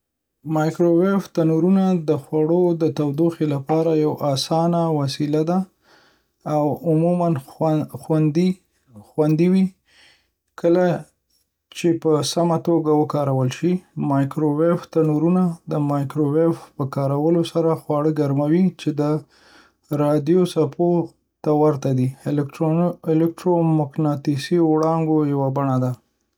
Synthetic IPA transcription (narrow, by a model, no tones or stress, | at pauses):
mɑjkɾoweft̪anuɾunad̪əxwaɽod̪ət̪awd̪oxelapɑɾajawʔɑsɑnawasilad̪a | wʊmumanxad̪i | xwand̪iwi | kʰəla | t͡ʃepəsamat̪oɡawəkɑɾawəlʃimɑjkɾoweft̪anuɾunad̪əmɑjkɾowefpəkɑɾawəlosaɾaxwɑɽəɡaɾmawit͡ʃed̪ə | ɾɑd̪ijosapʰo | t̪awaɾt̪ad̪i | ɪlɪk̚ʈɾomʊknɑt̪isiwɽɑŋɡojawabaɳad̪a